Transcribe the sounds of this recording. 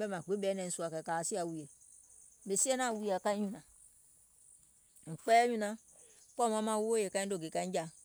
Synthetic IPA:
bɛ˦ma˨k͡pe˨˦bɛ˨˦nɛ˨n̩˨su˨a˨kɛ˨ka˨si˦a˨wu˨je˨ | be˨si˦e˦na˦˨wu˨˦˨a˨ka˦i˦ɲũ˦˨na˨ | ŋ͡m̩˨k͡pɛ˦ju˦na˨ | k͡pɔ˦ma˨˦ma˦˨wu˦o˦je˨ka˦i˦do˦˨ɡe˨ka˦d͡ʒa˨

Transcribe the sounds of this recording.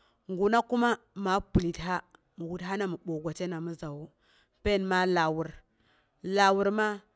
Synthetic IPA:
ŋɡu˨na˦ku˦ma˦ma˨pu˨li˨tɦa˦ | mu˨wu˨dɦa˦na˨mu˨ɓo˨ɡʷa˨t͡ʃe˦na˨mu˦za˨wu˦ | pe˦˨nma˦la˨wu˨ɾ | la˨wu˨ɾma˦

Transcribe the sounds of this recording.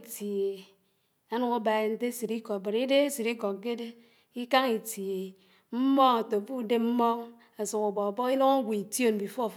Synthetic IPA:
ti˨e˨ | a˦nu˨ku˦ba˨e˨n̩˦te˦si˨ɾi˦kɔ˨ba˨ɾi˦de˦a˦si˨ɾi˦kɔ˨k̚ɡe˦de˦ | i˦ka˦ŋi˨ti˨e˨ | m̩˦mɔ˦ŋa˨to˨bu˦de˦m̩˦mɔ˦ŋ | a˨su˨ku˨bɔ˨bɔ˦ki˦lo˦ŋa˦ɡʷu˨i˨tjo˦˨n̩˨bi˨fo˦˨

